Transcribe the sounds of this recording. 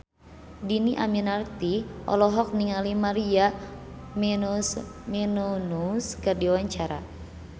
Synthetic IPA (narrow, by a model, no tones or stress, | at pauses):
diniʔaminart̪iʔɔ̰lɔɦɔk̚niŋalimaɾia | mɛnusminunuskɨrdiwaɲt͡ʃaɾa̰